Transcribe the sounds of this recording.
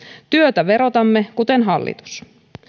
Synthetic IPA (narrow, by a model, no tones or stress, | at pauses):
t̪yøt̪æʋe̞ɾo̞t̪ɑmːekut̪e̞nɦɑlːḭt̪u̥s